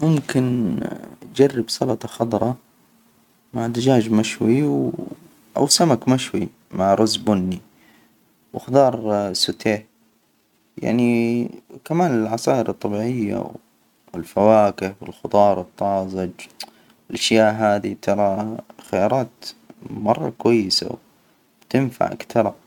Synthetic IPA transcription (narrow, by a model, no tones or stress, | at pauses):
mʊmkɪn | d͡ʒarːɪbsˤɑlɑt̪ˤɑxɑd̪ˤɾˤɑ | maʕd̪ɪd͡ʒaːd͡ʒmaʃwiw | ʔa̰wsamakmaʃwi | maʕɾˤʊzbʊnːi | wɪxd̪ɑːɾˤsʊt̪eːħ | ja̰ʕni | kamaːnɪlʕɑsaːʔɪɾɨt̪ˤːɑbiːʕɪjːa̰w | ɪlfawaːkɪħwɪlxʊd̪ˤɑːɾˤɨt̪ˤːɑːzˤɪd͡ʒ | ɪlʔaʃjaːʔɦaːd̪it̪ʰɑɾˤɑxajɑːɾˤɑːt̪mɑ̰rˤːɑ̰kwajːɪsa̰w | bt̪ɪnfa̰ʕ̰kt̪ʰɑɾˤɑ